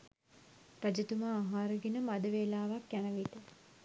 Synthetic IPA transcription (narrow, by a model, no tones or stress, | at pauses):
rad͡ʒət̪umaːɦaːɾəɡinəmad̪əʋeːlaːʋakjanəʋit̪ə